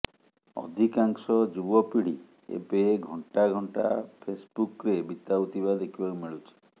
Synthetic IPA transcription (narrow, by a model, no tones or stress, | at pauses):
ɔ̰d̪ʱikaŋsɔd͡ʒubɔpiɽ̤i | ḛbeɡʱɔɳʈaɡʱɔɳʈapʰesbukɾebit̪aut̪ibad̪ekʰibakumiɭut͡ʃʰi̥